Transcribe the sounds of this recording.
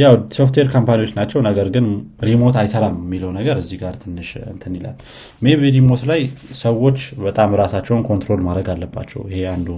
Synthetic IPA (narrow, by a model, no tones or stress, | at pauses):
jawdso̞ft̪ʰweɾkʰompanijwo̞t͡ʃːnat͡ʃːɛwnəɡəɾɡɨnɾimo̞t̪ajsəɾammːiləwnəɡəɾɨzːiɡaɾt̪ʰɨnːɨʃɨ̰t̪ʰɨnːila̰l | meβeɾimo̞t̪lajsəwo̞t͡ʃːbət̪ʼamɾasat͡ʃːɛwnkʰo̞nt̪ɾo̞lmad̪ɾəɡalːəbːa̰t͡ʃːɛ̰wihe̞and̪u